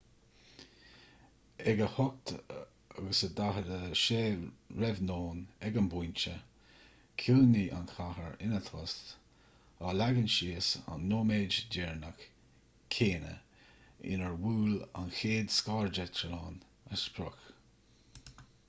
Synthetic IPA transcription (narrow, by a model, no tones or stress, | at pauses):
ɛɡəhɔk̚t̪ | aɡəsəd̪aɦədəʃeːɹɛvnoːnɛɡanbujnt͡ʃə | kʰilniʔa̰nxʰahəɹɪnət̪ʰɔst̪ | aːlaɡənʃiːsa̰nːoːmeːd͡ʒdɛɹnək | kʰeːnə̰ | ɪ̰nəɹwuːla̰nxeːd̪skaːɹd͡ʒət̪ʰəlɑːn | əspʰɾʊx